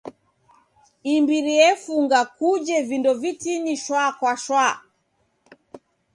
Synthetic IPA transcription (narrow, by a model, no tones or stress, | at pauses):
imbiɾiɛfuŋɡakud͡ʒɛvindɔvitiniʃwakwaʃwa